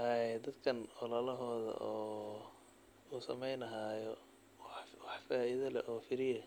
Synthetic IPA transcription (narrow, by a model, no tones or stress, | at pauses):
ɐɛd̪ɐd̪kʰɐnɔlɐlɐɦɔːðɐ̰ʔɔː | uːsɐmɛjnɐɦaːjɔ | wħwɑħfaːɪðɐlɛ̰ʔɔːfɪɾɪjɐ